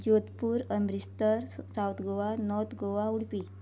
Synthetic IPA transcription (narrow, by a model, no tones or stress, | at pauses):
d͡ʑot̪puːɾəmbɾist̪əɾsawt̪ɡoʋanɔɾt̪ɡoʋauɽpi